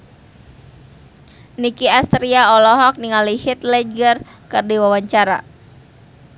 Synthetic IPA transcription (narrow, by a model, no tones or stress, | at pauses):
nikiast̪ɾiaɔlɔɦɔk̚niŋalihit̪lɛɡər | kɨrdiwawaɲt͡ʃaɾa̰